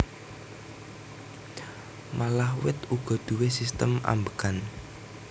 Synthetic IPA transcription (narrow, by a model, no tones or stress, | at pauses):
malahwɪt̪uɡ̥ɔ̤d̪̥ṳwesist̪əma̰mbəkan